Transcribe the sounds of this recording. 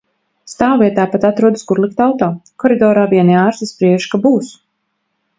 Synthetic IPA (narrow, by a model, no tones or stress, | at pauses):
st̪aːwviɛt̪aːpat̪at̪ɾuɔd̪askuɾlˠikt̪awt̪aːkɔɾid̪ɔːɾaːviɛniaːɾsispɾiɛʃkabuːs